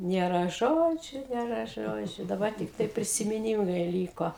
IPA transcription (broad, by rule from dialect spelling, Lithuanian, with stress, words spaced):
nʲeːˈrɐ ˈʒoːd͡ʒʲʊ nʲeːˈrɐ ˈʒoːd͡ʒʲʊ dɐˈbɐr tʲɪkˈtɐɪ pʲrʲɪsʲɪmʲɪˈnʲiːmɐɪ ˈlʲiːkoː